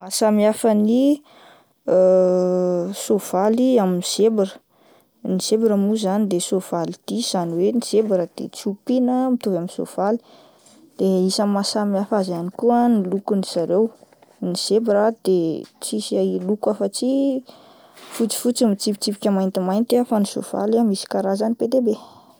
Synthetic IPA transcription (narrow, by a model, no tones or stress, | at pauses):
masamiafəni | sov̥aliaminiz̥ebiɾə̥ | niz̥ebɾəmuzanid̪esov̥alid̪̥iz̥aniweniz̥ebaɾəd̪̥ḛt͡supinəmit̪uvaminso̰v̥ali̥ | d̪̥eisamasamiafazanikuənilukuniz̥aɾew | niz̥ebaɾad̪̥et͡sisalukafət͡si | fut͡si̥fut͡simit͡sipi̥t͡sipi̥kʲəmajnt̪imajnt̪afaniso̰v̥a̰lamisi̥kaɾazaniped̪ebe